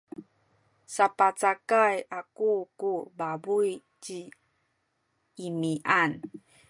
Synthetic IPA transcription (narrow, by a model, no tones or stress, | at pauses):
sapat͡sakajakukubabuj | t͡ɕi | miʔan